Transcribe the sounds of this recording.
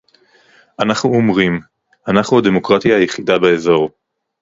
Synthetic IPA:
ʔanaχnuomʁim | anaχnuad̪e̞mo̞kʁat̪jaːjeχidabeezo̞ʁ

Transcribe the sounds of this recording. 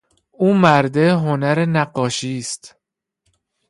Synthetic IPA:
uːmæɾd̪e̞ɦonæɾenæɢːɒːʃiːst̪

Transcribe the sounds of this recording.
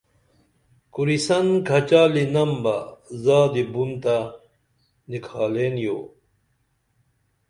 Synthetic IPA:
kuɾisɐnkʰɐt͡ɕaːlinɐmbɐzaːd̪ibunt̪a | nikʰaːleːnjoː

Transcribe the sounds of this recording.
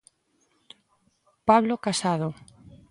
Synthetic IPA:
paβlokasað̞o

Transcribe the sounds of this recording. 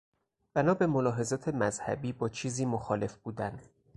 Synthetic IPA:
b̥ænɒːbemolɒːɦe̞zɒːt̪ʰe̞mæzhæ̰biːbɒːt͡ʃʰiːziːmoxɒːle̞fbuːd̪ænd̪

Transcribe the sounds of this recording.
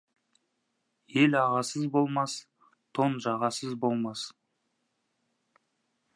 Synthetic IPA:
je̞lɑʁɑsəzbo̞lˠmɑs | t̪ʰo̞nʒɑʁɑsəzbo̞lˠmɑs

